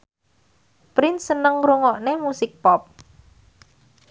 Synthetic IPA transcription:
pɾɪnsənəŋɾuŋɔʔnemusɪk̚pɔp̚

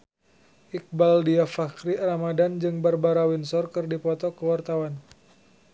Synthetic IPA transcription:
ʔik̚baldiafakɾiramadand͡ʒɨŋbərbaɾawinsɔrkɨrdipɔt̪ɔkəwart̪awan

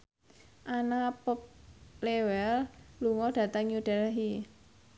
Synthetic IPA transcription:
ʔanapɔp̚lewɛlluŋɔd̥ä̤t̪əŋjud̥ɛlɦi

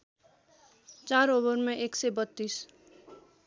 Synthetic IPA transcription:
t͡ʃaːɾoːbəɾmẽʔeːksebət̪ːiːs

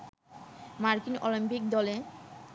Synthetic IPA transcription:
maɾkinolimpik̚d̪ɔle

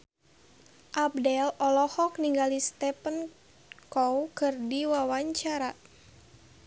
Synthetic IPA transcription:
ʔap̚dɛlɔlɔhɔkniŋɡalist̪ɛpən | kɔwkɨrdiwawaɲt͡ʃaɾa

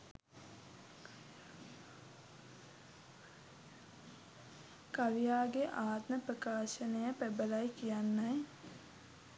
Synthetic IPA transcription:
kaʋijaːɡeʔaːt̪nəprəkaːʃənəjəpæbəlajkijanːaj

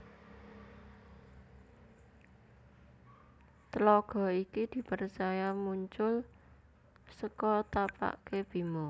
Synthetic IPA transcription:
t̪əlɔɡ̥ɔ̤ikid̪̥i̤pərt͡ʃajamuɲt͡ʃʊl | səkɔt̪apa̰ʔkeb̥i̤mɔ

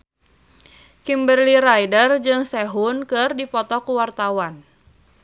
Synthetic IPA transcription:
kimbərliɾajdərd͡ʒɨŋsɛɦunkɨrdipɔt̪ɔkuwart̪awan

